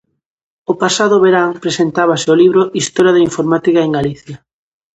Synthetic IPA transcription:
opasaðʊβeɾaŋpɾesent̪aβ̞asɪoliβɾʊʔist̪ɔɾjaðeiɱfoɾmat̪ikaeŋɡaliθja

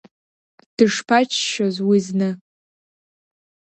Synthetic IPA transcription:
d̥ɨʂpʰat͡ʃʰʃozwiznɨ

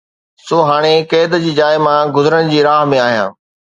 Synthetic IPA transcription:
soːɦaːɽ̃ekeːd̪d͡ʑiːd͡ʑaːɪmãɡʊzəɾəɽ̃d͡ʑiːɾaːɦmẽaːɦijã̰ː

